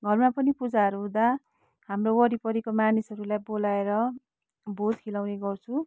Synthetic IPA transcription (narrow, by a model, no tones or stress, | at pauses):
ɡʱʌrmapʌnipud͡zaɾuɦũd̪a | hamrowʌɾipʌɾikomanisʌɾulajbolaeɾʌ | bʱod̪kʰilawneɡʌrt͡sʰũ